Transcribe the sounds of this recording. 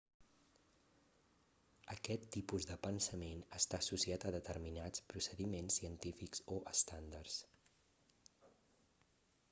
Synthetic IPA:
əkɛt̪ːipuzðəpənsəmenəst̪aːsusiat̪əðət̪əɾminat͡spɾusəðimensːiənt̪ifikz̥oʔəst̪and̪ərs

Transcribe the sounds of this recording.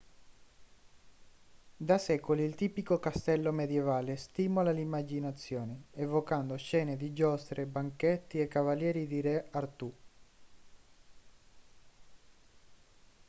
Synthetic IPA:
d̪asɛːkoliːlt̪iːpikokast̪ɛlːomed̪jevaːlest̪iːmolalimːad͡ʒinat̪sːjoːneevokand̪oʃɛːned̪id͡ʒɔst̪ɾebaŋket̪ːiekːavaljɛːɾid̪iɾeart̪u

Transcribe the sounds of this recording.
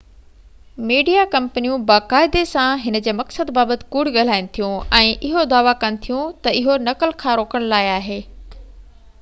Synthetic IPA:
miːɖijakɐ̃mpənijũbaːkaːɪd̪esãɦɪnə̆d͡ʑeːmɐksəd̪baːbət̪ɪ̥̆kʊɽ̤ɠɐl̤aːɪn̆t̪ʰijũɛ̃ːʔɪɦod̪aːʋakɐnɪ̆t̪ʰijũt̪ɐɪɦonɐkəlkʰãːɾoːkəɽ̃laːeaːɦeː

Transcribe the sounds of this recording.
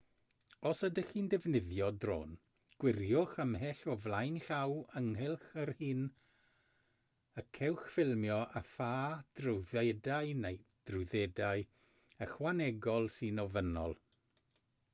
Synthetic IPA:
ɔsədəxindɛvnɪðjɔdro̰ːn | ɡ̥wɪrjʊχəmɦɛɬɔvlˠajnɬawəŋhɪlˠχərhɨːn | əkʰɛwχfɪlˠmjɔʔafaːd̥rʊwðɛdaɨnejd̥rʊðɛdaɨ | əχwanɛɡɔlˠsɨnɔvənɔ̰lˠ

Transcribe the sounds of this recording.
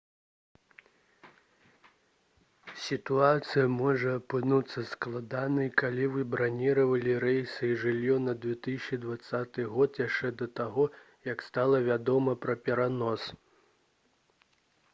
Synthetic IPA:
sʲit̪uat̪sɨjɐmɔʐɐːpɨnut̪sːɐsklˠad̪anɨjkalʲivɨbɾanʲiɾɐvɐlʲiɾɛjsɨiʐɨlʲjɔnɐd̪vʲɛt̪ɨsʲt͡ʃid̪vat̪sːat̪ɨɣɔt̪jaʂt͡ʂɛd̪ɐt̪aɣɔ | jɐkst̪alˠɐvʲad̪ɔmɐpɾɐpʲɛɾanɔs

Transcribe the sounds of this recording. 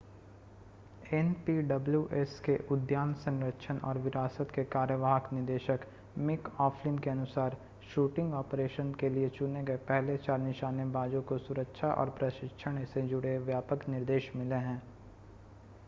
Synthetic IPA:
ɛnpiɖɐbljuʔɛskeʔʊd̪jaːnsə̃ŋɾəkʃʰənʔɔ̰ːɾʋɪɾaːsət̪kekaːɾjəʋaːɦəknɪɾd̪eːʃək | mɪkɔːfʰlɪ̃nkeɐnʊsaːɾ | ʃuːʈɪ̃ŋɡɔːpɾeːʃənkeliet͡ʃʊneɡɐepɛɦlet͡ʃaːɾnɪʃaːnjəbaːd͡ʒõkosʊɾəkʃʰaʔɔ̰ːɾpɾəʃɪkʃʰəɽ̃sed͡ʒʊɽeʋjaːpəknɪɾd̪eːʃmɪleɦɛ̃ː

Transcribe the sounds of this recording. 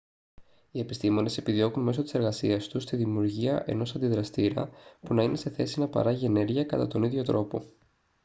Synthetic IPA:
ie̞pist̪imo̞ne̞se̞piðio̞kunme̞so̞t̪ise̞ɾɣɐsiɐst̪ust̪iðimiuɾʝiɐʔe̞̰no̞sɐnd̪iðɾɐst̪iɾɐ̰punɐinʔe̞se̞θe̞sinɐpɐ̰ɾɐʝie̞ne̞ɾʝiɐkɐt̪ɐ̰t̪o̞niðʝo̞t̪ɾo̞po̞̰

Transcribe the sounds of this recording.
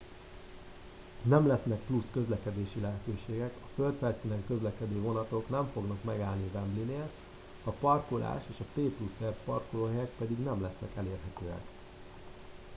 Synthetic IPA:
nɛmlɛsn̪ɛk̚pluskø̞zlɛkɛd̪eːʃilɛɦɛt̪øːʃeːɡɛkɒfølt̪fɛlsiːnɛŋkø̞zlɛkɛd̪øːvo̞nɒt̪o̞knɛɱfo̞ɡnɒkmɛɡaːlnivɛmblineːlt̪ | ɒpɒrkolʔa̰ːʃeːʃɒt̪eːplusɛrpɒrkoloːɦɛjɛk̚pɛd̪iɡnɛmlɛsnɛ̰kɛleːrɦɛt̪øːɛ̰k

